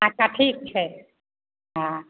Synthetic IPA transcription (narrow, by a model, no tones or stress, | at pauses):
akaʈʰik̚t͡ʃʰɛ | ɦã